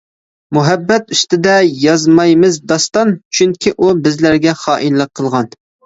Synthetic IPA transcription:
muɦɛbːɛt̪yst̪ɪd̪ɛjɑzmɑjmɨzd̪ɑst̪ɑnt͡ʃʰyŋkʲʰiʔubɪzlæɾɡʲɛχɑːʔinlˠəqʰːəlˠʁɑn

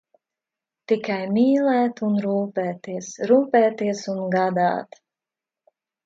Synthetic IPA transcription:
t̪ikajmiːlɛːt̪unɾuːpɛːt̪iɛsɾuːpɛːt̪iɛsunɡad̪a̰ːt̪

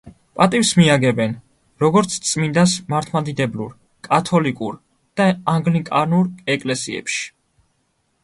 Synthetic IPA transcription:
pʼat̪ʼifsmiaɡɛbɛn | ɾɔɡɔɾt̪sʰt̪sʼmind̪asmaɾt̪ʰmad̪id̪ɛblṵɾ | kʼat̪ʰɔlikʼuɾ | d̪̥aaŋɡlikʼaɾnuɾɛkʼlɛsiɛ̰pʃi̥

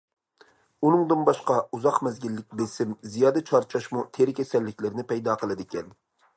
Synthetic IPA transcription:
unɨŋd̪ɨnbɑʃqɑuzɑqmɛzɡʲilːɪk̚ʲbesɪmzijɑːd̪ɛt͡ʃʰɑɾt͡ʃʰɑʃmut̪ʰeɾɪkʲʰɛsɛlːɪkʲlɪɾnɪpʰɛjd̪ɑːqʰəlˠɨd̪ɪkʲɛn

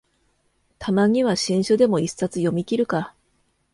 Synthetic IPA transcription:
t̪ʰamaɲ̟iβaɕĩɰ̃ɕod̪e̞mo̞isat͡sɨjo̞mʲikʲiɾɯ̟ka

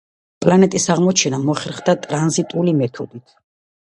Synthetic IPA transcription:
pʼlanɛt̪ʼisaʁmɔt͡ʃʰɛnamɔχɛɾχd̪at̪ʼɾanzit̪ʼulimɛt̪ʰɔd̪it̪ʰ

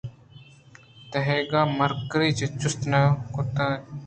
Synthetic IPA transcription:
t̪ɐɦeːɡaːmɐɾkɾiːt͡ʃet͡ʃʊst̪naːkʊt̪ãː

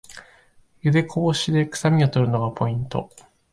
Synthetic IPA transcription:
jɯd̪e̞kʰoboɕid̪e̞kɯ̥samʲiot̪o̞ɾɯ̟no̞ɡapʰo̞ĩnt̪o̞̰

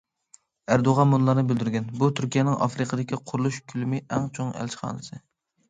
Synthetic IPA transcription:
æɾd̪oʁɑmːunlˠɑɾnɨbyld̪yɾɡʲɛnbut̪ʰyɾkʲijɛnɪŋʔɑ̰fɾɨqʰəd̪ɪkʲiqʰʊɾulˠuʃkʲʰylymɪʔɛŋt͡ʃʰoŋæ̰lt͡ʃχɑ̰ːnɨsɨ

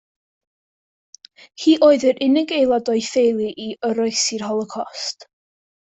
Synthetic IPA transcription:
hiːʔoːɨðəɾʔɪnɪɡejlˠadɔjfejlˠiʔiəɾɔɨsirhɔlˠɔkʰɔst

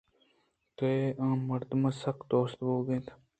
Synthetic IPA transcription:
t̪eãːməɾd̪mãːsəkd̪oːst̪boːɡẽːt̪ʰ

